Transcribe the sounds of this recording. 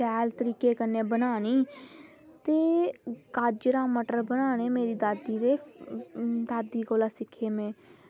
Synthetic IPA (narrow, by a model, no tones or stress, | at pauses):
ɛːlt̪əɾiːkeːkənːeːbənaːniː | t̪eːkaːd͡ʒɾãːməʈəɾbənaːneːmeːɾiːd̪aːd̪iːɾeː | d̪aːd̪iːkoːlaːsɪkʰːeːmẽː